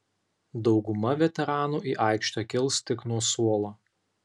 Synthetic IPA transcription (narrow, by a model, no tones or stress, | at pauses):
d̪ɒʊɡʊmɐʋʲɛt̪ʲɛɾɑːnuːʔiːʔɑˑɪkʃt̪ɑkʲɪlˠst̪ʲɪknuɔsuɔlˠoː